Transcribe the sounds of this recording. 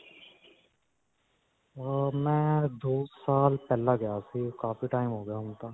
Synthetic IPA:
mɛ̃d̪oːsaːlpɛːlaɡɐjasikaːfiʈaːɪmɦoːɡəjaɦũːŋɡt̪aː

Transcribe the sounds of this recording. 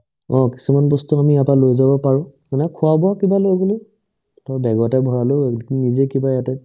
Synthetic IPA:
ɔ̃ki̥sumanbɔstuamiapalojzabɔpaɹʊ̃kanɛkʰʊabɔakibalojɡoli | tɔbɛɡɔatɛbʱɔɹalʊnizekibajatɛ

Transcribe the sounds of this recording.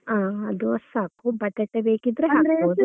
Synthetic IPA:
aːɐd̪uɐsaːkubɐʈːeʈːebeːkid̪ɾeɦaːɡboːd̪u

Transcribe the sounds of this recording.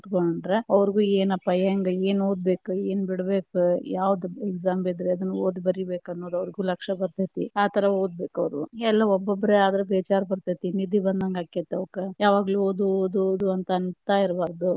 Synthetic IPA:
t̪koɳɳɖɾeɐʋɾɡuːeːnɐpːajeːŋɡɐeːnoːd̪̚be̞ːkueːnbiɽbe̞ːkujaːʋɐd̪uekzaːmbed̪ɾeɐd̪ɐnːuoːd̪ubɐɾibe̞ːkɐnːoːd̪uɐʋɐɾiɡuːlɐkʂɐbɐɾt̪ɐt̪ḭaːt̪ʰɐɾɐoːd̪̚be̞ːkɐʋɾuɛlːɐɔbːobɐɾeaːd̪ɐɾebeːt͡ʃaːɾbɐɾt̪ɐt̪inid̪ibɐnd̪aŋɡaːkit̪ːeoːkejaːʋaːɡluoːd̪uoːd̪uːd̪uɐnt̪ɐɐnt̪aːiɾbaːɾd̪u

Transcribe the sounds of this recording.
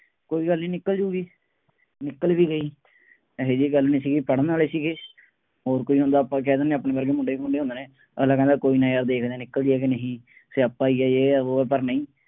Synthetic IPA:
koːiːɡəlnĩːnɪkːəld͡ʒuːɡiː | nɪkːəlʋiːɡəiː | ɦeːd͡ʒiːɡəlnĩːsiːɡiːpəɽənːaːleːsiːɡeː | ɦoːɾkoːiːɦõnd̪aːpãːk̬ɛ̃ːd̪eːnẽːəpneːbəɾɡeːmʊ̃ɳɖeːkmʊ̃ɳɖeːõnd̪eːnẽː | əslaːkɛ̃ːnd̪aːkoːiːnãːjəɾd̪eːkʰd̪eːnɪkːəld̪ɪɛːk̬ɪnəɦĩː | seːəpːãːiːɛːeːoːp̬əɾnəĩː

